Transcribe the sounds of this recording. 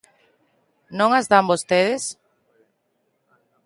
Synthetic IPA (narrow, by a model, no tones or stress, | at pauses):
nõŋazðambost̪eðes